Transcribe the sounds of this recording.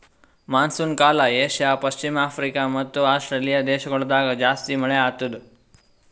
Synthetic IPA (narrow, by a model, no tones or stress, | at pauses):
mansunkaːlajeʃjapəɕt͡ʃimafɾikamət̪ːuasʈɾelijad̪eʃəɡəɭd̪aɡəd͡ʒast̪iməɭeat̪ud̪